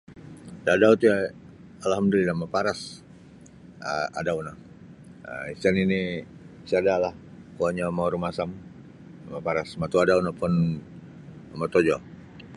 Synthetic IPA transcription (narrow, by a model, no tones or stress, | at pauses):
dadaut̪uja | alhamd̪ulinamapaɾas | əa̰dauna | əist̪anini | siadalahkoaɲamauɾumasam | amapaɾasmat̪uadaunapʊn | mat̪od͡ʒo